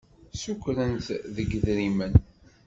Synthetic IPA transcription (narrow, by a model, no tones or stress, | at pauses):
sukʷɾənt̪ðəɡðɾimən